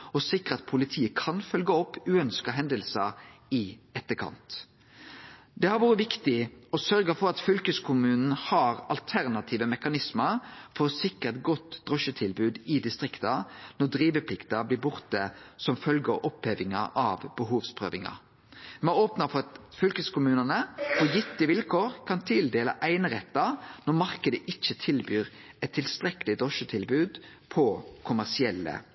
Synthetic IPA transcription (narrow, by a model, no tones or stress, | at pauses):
ɔsɪkːʁəɑt̪̚pʰʊlɪt̪ʰiːəkʰɑnfœlɡəɔpːʉːœnskɑɦɛnd̪əlsəɪɛt̪ːəkʰɑ̰nt̪ | d̪ɛhɑɾʋuːɾəʋɪkt̪ɪɔsœɾɡəfɔɾɑt̪fʏlkəskʰʊmʉːnn̩hɑɾɑlt̪ʰæʁnɑt̪ʰiːʋəmɛkɑnɪsməɾfɔʁsɪkəʁt̪ɡɔt̪ːd̪̥ʁɔʃət̪ʰɪlbʉːd̪ɪd̪ɪst̪ʁɪkt̪ɑnɔʁd̪ʁiːʋəpʰlɪkt̪ɑblɪːbʊʁt̪əsɔmfœlɡəʔɔpheːʋɪŋɑ̰ʔɑʋbəɦuːʋspʰʁø̰ːʋɪŋɑ̰ | mɛæoːpnɑfɔʁɑt̪fœlkəskʊmʉːnənəfɔjɪt̪ːɪʋɪlkʰoːʁkʰɑnt̪ʰɪld̪eːlə̰ʔæɪnəʁɛt̪ːɑnɔʁmɑʁkəd̪əʔɪt͡ʃːət̪ʰɪlbyːʁɛt̪ʰːɪlst̪ʁɛkəlɪd̪ʁɔʃət̪ʰɪlbʉːd̪ | pʰɔkʰʊmæʁsɪɛlːə̰